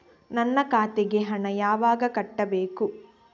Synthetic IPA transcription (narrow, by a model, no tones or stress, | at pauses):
nɐnːɐkaːt̪eɡeɦɐɳɐjaːʋaːɡɐkɐʈːɐbeːku